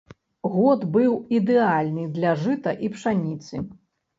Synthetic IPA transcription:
ɣɔd̪bɨwid̪ɛalʲnɨd̪lʲɐʐɨt̪ɐʔipʂanʲit̪sɨ

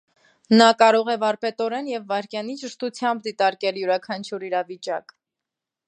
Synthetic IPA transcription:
nɑkɑɾɔʁɛvɑɾpɛt̪ɔɾɛnjɛvːɑɾkjɑnit͡ʃəʃt̪ut͡sʰjɑmbd̪it̪ɑɾkɛljuɾɑkʰɑnt͡ʃʰjuɾiɾɑvit͡ʃɑk

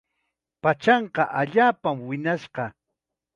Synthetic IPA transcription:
pat͡ʃɑɴqɑʔaʎaːpamwɪnaʃɢɑ

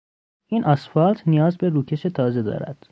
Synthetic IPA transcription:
ʔiːnʔɒsfɒlt̪ʰnijɒːzbeɾuːcʰe̞ʃe̞t̪ʰɒːze̞d̪ɒ̰ːɾæ̰d̪̥

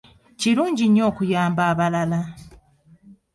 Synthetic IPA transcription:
ciɾuːɲɟiɲo̞ːkujaːmbaːβalala

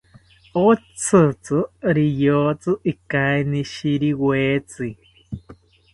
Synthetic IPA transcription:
ot͡sʰɨt͡sɨɾijot͡sɨʔikaeniʃiɾiweːt͡si

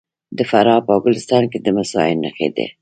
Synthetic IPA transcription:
d̪əfaɾɑpaɡʊlɪst̪ɑnked̪əmasɑɪnːaxḛd̪ḛ

